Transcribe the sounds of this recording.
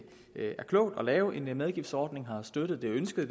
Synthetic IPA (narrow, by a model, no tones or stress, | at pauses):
æɐkʰlɔ̰̽ʊd̥ɒ̽lɛːʊʔe̝nmeðˠɡ̥ifd̥sɒːd̥ne̝ŋɦɑ̈sd̥ød̥ð̩ˠd̥e̝ønsɡ̥əð̩ˠ